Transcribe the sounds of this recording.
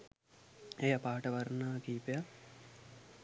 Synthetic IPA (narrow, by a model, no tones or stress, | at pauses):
ejɐpaːʈəʋɐɾnaːkiːpeja